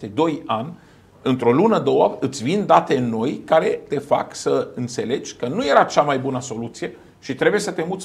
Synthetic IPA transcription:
t̪ed̪o̞janʲ | ɨnt̪ɾo̞lunəd̪owaɨt̪sʲvind̪at̪e̞no̞jkaɾe̞t̪e̞fa̰ksəɨnt̪se̞le̞d͡ʒʲkənuje̞ɾat͡ʃamajbunəso̞lut̪sije̞ | ʃit̪ɾe̞bujesət̪e̞mut̪sʲ

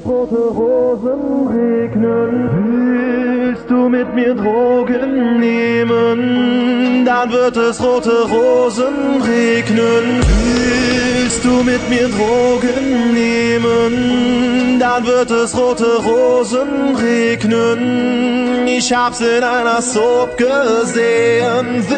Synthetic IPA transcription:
ʁoːtəʁoːzənʁeːknənvy | lstd̥uːmɪtmiːʁdʁoːɡənːeːmən | danvɪtəsʁoːtəʁoːzənʁeːknənvy | llst̚d̥uːmɪtmiːdʁoːɡənːeːmən | danvɪtɛsʁoːtəʁoːzənʁeːknən | ɪʃhaːbz̥əɪnaɪnɐsopɡ̥əzeːən

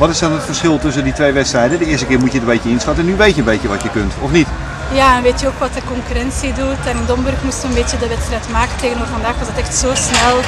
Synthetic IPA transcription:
ʋɔtɪsdɔnətfərsχɪlˠtɵs̬ənditʋejʋɛtstrɛjdəndəɪːstəkɪːrmutjədəbeːtjəɪnsxatənyʋeːtjənbeːtjəʋɔtjəkøntɔfnit | jaɛnʋeːtʰjəokʋɔtəkɔŋkyrɛnsidutɛnɪndɔmbørxmustəənbɪːtjədəʋɛtstrɛjtmaːkəteːɣənoːvərfɑndaːxʋɔsdɔtɛxtsoːsnɛlˠ

